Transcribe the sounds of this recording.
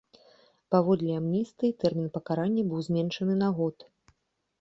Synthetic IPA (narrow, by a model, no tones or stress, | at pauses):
pavɔd̪lʲiamnʲist̪ɨt̪ɛrmʲinpɐkaɾanʲːɐbɨwzʲmʲɛnʂɐnɨnaɣɔt̪